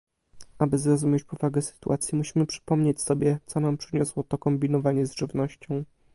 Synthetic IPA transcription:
ʔabɘzɾɔzumʲjet͡ɕpɔvaɡɛsɘ̥t̪ṵʔat̪sʲjimuɕimɘpʂɘ̥pɔmɲet͡ɕsɔbʲjɛt̪sɔnampʂɘɲɔswɔt̪ɔkɔmbʲinɔvaɲɛzʐɘvnɔɕt͡ɕɔ̃w̃

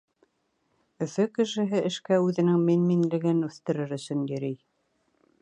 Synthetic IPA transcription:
ɵ̆fɵkɘ̆ʃɘ̆ɦɘʔɘ̆ʃkæʉðɘ̆nɘŋminminlɘ̆ɡɘnʉθt̪ɘ̆ɾɘɾɵ̆sɵ̆njɵ̆ɾij

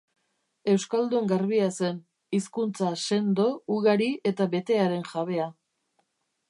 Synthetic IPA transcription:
e̞wskald̪ueŋɡaɾβiase̞n | iskunt͡sase̞nd̪o̞uɣaɾie̞t̪aβe̞t̪e̞aɾe̞nʝaβe̞a

